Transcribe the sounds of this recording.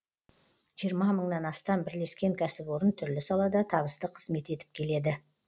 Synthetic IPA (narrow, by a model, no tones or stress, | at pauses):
ʒ̥ijəɾmɑməɴnɑnɑst̪ɑmbɪɾle̞skʲe̞ŋkʲʰæsɪpwo̞ɾənt̪ʰʏɾlɪsɑlˠɑd̪ɑt̪ʰɑβəst̪əqʰə̥zme̞t̪e̞t̪ɪ̥p̚kʲʰe̞le̞d̪ɪ